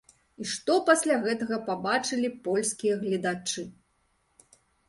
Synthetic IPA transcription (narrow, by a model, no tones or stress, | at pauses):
iʂt̪ɔpasʲlʲaɣɛt̪ɐɣɐpabat͡ʂɨlʲipɔlʲskʲijɐɣlʲid̪at͡ʂɨ